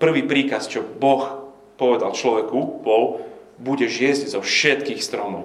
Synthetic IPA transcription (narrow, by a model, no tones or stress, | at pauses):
pr̩ʋiːpɾiːkast͡ʃɔbɔx | pɔʋɛd̪alt͡ʃlɔʋɛkubɔl | buɟɛʒɪɛzɟzɔfʃɛt̪kiːxst̪ɾɔmɔʊ